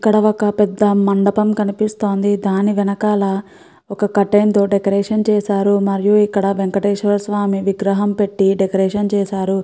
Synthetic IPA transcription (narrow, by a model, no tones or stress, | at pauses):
ikːɐɽɐɔkɐpɛd̪ːɐmɐɳɖɐpɐmkɐnipist̪o̞ːnd̪id̪aːniʋɛnɐkaːlɐ | ɔkɐkɐʈːɐjnt̪o̞ːɖekɐɾɛːʂɐnt͡ʃɛːsaːɾumɐɾijuikːɐɽɐʋeŋkɐʈeːʂɐʋɐlsʋaːmiʋiɡɾɐɦɐmpe̞ʈːiɖekɐɾɛːʂɐnt͡ʃɛːsaːɾu